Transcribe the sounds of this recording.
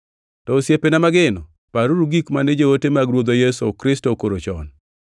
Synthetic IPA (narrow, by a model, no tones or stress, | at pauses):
tɔosjepenamaɡɪnɔ | paɾuɾuɡikmanɛd͡ʒowotemaɡɾwod̪ojɛsokɾɪstokoɾot͡ʃɔ̰n